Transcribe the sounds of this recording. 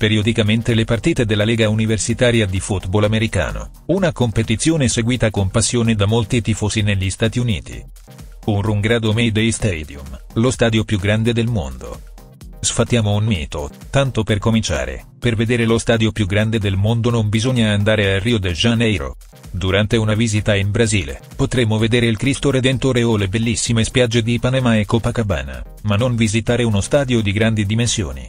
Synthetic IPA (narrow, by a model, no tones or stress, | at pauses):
peɾiod̪ikament̪elepart̪iːt̪ed̪elːalɛːɡauniversit̪aːɾjad̪ifut̪bolameɾika̰ːno̰ | unakompet̪it̪sjoːneseɡwiːt̪akompasːjoːned̪amolt̪it̪ifoːszineʎːist̪aːt̪iunḭːt̪ḭ | unruŋɡɾaːd̪omejd̪ejst̪ɛd̪jum | lost̪aːd̪jopjuɡːɾand̪ed̪elmo̰nd̪o̰ | sfat̪ːjaːmounmḭːt̪ot̪ant̪operkomint͡ʃa̰ːɾḛ | perved̪eːɾelost̪aːd̪jopjuɡɾand̪ed̪elmond̪onombizoɲːaːnd̪aːɾealriːod̪eʒanɛjɾo̰ | d̪uɾant̪eunaviːzit̪aimbɾaziːlḛ | pot̪ɾemoved̪eːɾeilkɾist̪oɾed̪ent̪oːɾeolebelːisːimespjad͡ʒːed̪ipanamaekːopakaba̰ːna̰ | manːonvizit̪aːɾeunost̪aːd̪jod̪iɡɾand̪id̪imensjo̰ːnḭ